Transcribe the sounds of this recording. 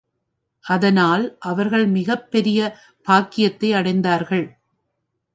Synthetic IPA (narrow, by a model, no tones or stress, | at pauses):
ʔɐðɐnaːlʔɐʋɐɾɣɐɭmɪɣɐpːɛɾɪjɐ | b̥aːkɪjɐt̪ːɐɪɐɽɐɪnd̪aːɾɣɐɭ